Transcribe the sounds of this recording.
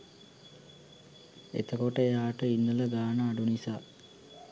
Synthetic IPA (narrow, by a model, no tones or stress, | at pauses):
ḛt̪əkoʈəejaːʈəinːələɡ̪aːnəːɖunisaː